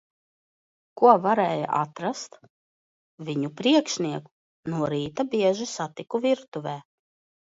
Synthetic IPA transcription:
kuɔvaɾɛːja̰ʔat̪ɾast̪ | viɲupɾiɛkʃniɛku̥ | nuɔɾiːt̪abiɛʒisat̪ikuviɾt̪uvʲɛː

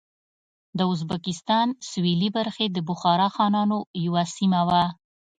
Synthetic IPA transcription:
d̪əʊzbakɪst̪ɑnswilibaɾxed̪əbʊxɑɾɑxɑnɑnojawasimawa

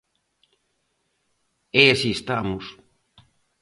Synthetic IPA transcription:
easiest̪amus

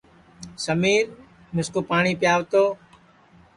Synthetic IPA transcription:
səmiːɾ | mɪskoːpaːɳ̃iːpɪjaːʋt̪oː

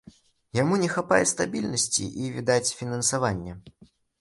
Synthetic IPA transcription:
jamunʲɛxapajɛst̪abʲilʲnɐsʲt͡sʲḭʔivʲid̪at͡sʲfʲinɐnsavanʲːɐ

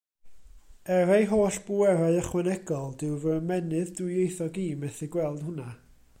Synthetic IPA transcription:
ɛɾejɦoːɬb̥uɛɾaɨəχwɛnɛɡɔlˠd̥ɪwvəəmɛnɨðdwɪjejθɔɡiːmɛθɪɡwɛlˠd̥hʊna

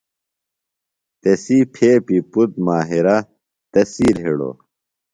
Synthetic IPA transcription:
t̪esipʰeːpiput̪̚maːɦiɾɐ | t̪ɐsiːlɦeɽo̰

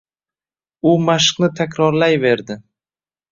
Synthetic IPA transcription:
ʊmaʃqnɪt̪ʰakʲɾɒɾlajve̞ɾd̪ɪ

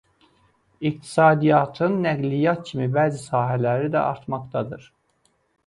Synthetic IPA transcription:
ik̚t̪ʰi̥sɑːd̪ijɑt̪ʰɯnːæɡlijɑt̪̚cʰimibæːzisɑːɦælæɾid̪æ̰ʔɑ̰ɾt̪mɑkt̪ʰɑd̪ɯɾ̥

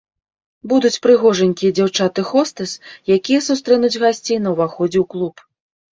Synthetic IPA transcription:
bud̪ut͡sʲpɾɨɣɔʐɐnʲkʲijɛd͡zʲawt͡ʂat̪ɨxɔst̪ɨsjakʲijɛsust̪ɾɛnud͡zʲɣasʲt͡sʲejnɐwvaxɔd͡zʲɛwklˠup

